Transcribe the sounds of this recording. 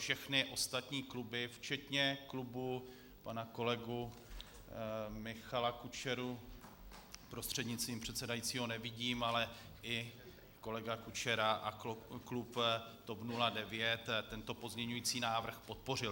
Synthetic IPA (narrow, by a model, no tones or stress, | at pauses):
fʃɛxnɪʔo̞st̪at̪ɲiːklubɪft͡ʃɛt̪ɲɛklubu | panako̞lɛɡu | mɪxalakut͡ʃɛɾu | pɾo̞st̪r̝̥ɛdɲɪt͡st̪viːmpr̝̥ɛt̪sɛdajit͡siːɦo̞nɛvɪɟiːmalɛ | ʔɪ | ko̞lɛɡakut͡ʃɛɾaʔaklupt̪opnuladɛvjɛt̪ːɛnt̪o̞po̞zɲɛɲujiːt͡siːnaːvr̩xpo̞t̪̚po̞r̝ɪl